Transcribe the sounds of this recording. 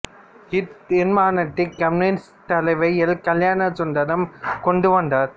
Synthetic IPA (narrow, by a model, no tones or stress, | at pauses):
hɪt̪ɪnmaːnɐʈ̪ːɪkːɐmnɪns | t̪ɐlɐɪʋɐjɪlkɐljaːnɐsʊnd̪ɐɾɐmkɔɳɖɯʋɐnd̪aɾ